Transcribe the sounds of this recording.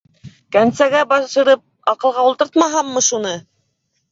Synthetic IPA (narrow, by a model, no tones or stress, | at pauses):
kænsæɡæbɑʃɤ̆ɾɤp̚ | ɑqɤ̆lˠʁɑulˠt̪ɤɾt̪mɑɦɑmːɤʃunɤ